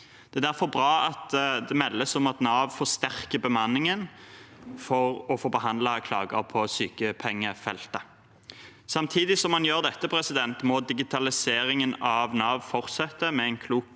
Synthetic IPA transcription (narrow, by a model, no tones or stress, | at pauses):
d̪̥ɛːd̪æɾfɔɾbʁɑːɑt̪d̪ɛmɛlːəsɔmɑt̪nɑːʋfɔʁst̪æʁkəbəmɑnːɪŋən | fɔʁɔfoːbəɦɑnd̪ləkʰlɑ̰ːɡə̰ʁpʰɔsyːkəpʰɛŋːəfɛlt̪ə | sɑmt̪ʰiːd̪ɪsɔmhɑnjøːʁd̪ɛt̪ːəpʰɾɛsɪd̪ɛnt̪mɔd̪ɪɡɪt̪ʰɑlɪseːɾɪŋənɑʋnɑːʋfɔʁt̪sɛt̪ːəmɛɛɪnkʰluːk